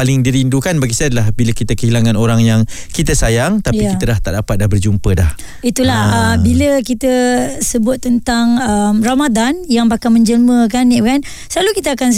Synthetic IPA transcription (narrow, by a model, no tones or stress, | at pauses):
palɪŋdiɾindukanbaɡisaadəlahbiləkit̪əkəɦilaŋãnoɾaŋjaŋ | kit̪asajaŋt̪aiakiəlaht̪a̰ʔdapat̪̚dahbərd͡ʒumpədah | it̪ulahəmbiləkit̪əsəbʊt̪̚ːənt̪aŋəmramadanjaŋbakamə̃ɲd͡ʒəlməkaniʔkan | səlalukit̪əakan